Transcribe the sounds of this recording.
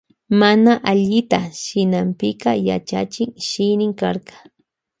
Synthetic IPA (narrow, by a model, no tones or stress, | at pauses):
manaʔaʎɪt̪aʃɪnampɪkɑjat͡ʃa̰t͡ʃɪŋʃɪjnɪŋkaɾɢɑ̥